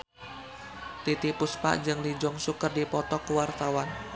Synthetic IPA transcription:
t̪it̪ipuspa̰ʔd͡ʒɨŋlid͡ʒɔŋsukərdipɔt̪ɔkəwart̪awan

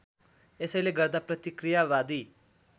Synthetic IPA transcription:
esʌjleɡʌrd̪aprʌt̪ikrijawad̪i

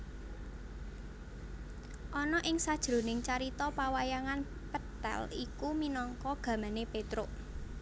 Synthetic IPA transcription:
ʔɔnɔʔɪŋsad̥ʒ̥ɾo̤nɪŋt͡ʃaɾit̪ɔpawajaŋan | pət̪ɛ̰likuminɔŋkɔɡ̥ä̤manepet̪ɾʊʔ

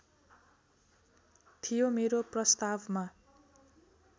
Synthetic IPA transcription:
t̪ʰijomeɾoprʌst̪abma

